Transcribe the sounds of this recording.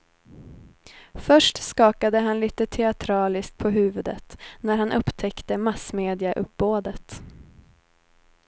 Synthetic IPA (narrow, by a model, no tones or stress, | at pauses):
fœʂʈskɑːkad̪əɦanliːt̪ət̪ʰɛat̪ʰɾɑːlɪskt̪̚pʰɔɦʉ̟ːvɵd̪ə̰t̪næɾhanʔɵpːt̪ʰɛkt̪əmasmeːd̪ɪaʔɵp̚boːd̪ət̪